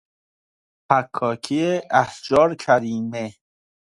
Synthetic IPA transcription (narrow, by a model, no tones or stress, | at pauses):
pʰækʰːɒːkʰieæhd͡ʒɒːɾkʰæɾiːme